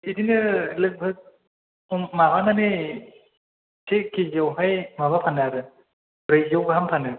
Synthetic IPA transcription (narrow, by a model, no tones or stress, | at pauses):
idinɯlɯk̚bʱɯ | maβananɯ | sʰekizɯwɦajmaβapʰanɯaɾɯ | ɾɯjzɯwɡaɦampʰanɯ